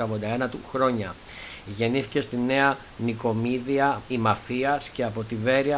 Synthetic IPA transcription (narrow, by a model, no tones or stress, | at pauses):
ɐvod̪ɐenɐt̪ṵxɾo̞ɲɐ | ʝe̞niθice̞st̪ine̞ɐ | niko̞miðiɐimɐfiɐsce̞ɐpo̞t̪ive̞ɾiɐ